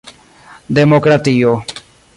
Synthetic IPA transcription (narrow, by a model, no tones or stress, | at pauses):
d̪eːmoːkɾat̪ioː